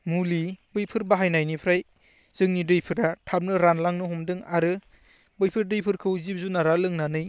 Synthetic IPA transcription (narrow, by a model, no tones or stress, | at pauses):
mulibɯjpʰɯɾbaɦajnajnipʰɾaj | z̥ɯŋnidɯjpʰɯɾatʰap̚nɯɾanlaŋnɯɦɔmdɯŋaɾɯ | bɯjpʰɯɾdɯjpʰɯɾkʰɯwzib̚zunaɾalɯŋnanɯj